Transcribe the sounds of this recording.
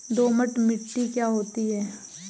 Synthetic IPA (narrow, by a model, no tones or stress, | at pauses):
d̪oːməʈmɪʈːikjaːɦoːt̪iɦɛː